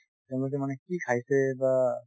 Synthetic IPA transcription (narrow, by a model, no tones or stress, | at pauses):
tɛʊ̃lɔk̬ɛmanɛkikʰajsɛba